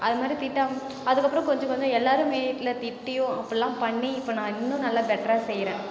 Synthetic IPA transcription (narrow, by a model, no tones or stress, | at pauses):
ɐðɯmaːd̪ɾit̪ɪʈːaːm | ɐðɯkːɐpːɾɔ̃kɔɲd͡ʒɔ̃kɔɲd͡ʒɔ̃ɛlːaːɾɯ̃ʋiːʈːɪlɐt̪ɪʈːɪjʊ̃ɐpːɐɽɛlːãːpɐɳːiɪpːoːnãːɪnːʊ̃nɐlːaːbɛʈːɾaːsɛjɾẽː